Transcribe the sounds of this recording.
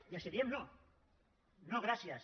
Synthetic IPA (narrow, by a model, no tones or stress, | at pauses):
jaseβiemno | noɣɾasjas